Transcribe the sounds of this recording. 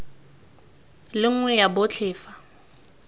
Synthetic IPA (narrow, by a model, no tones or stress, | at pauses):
lɪŋ̩ŋwɛjabʊt͡ɬʰɪːfa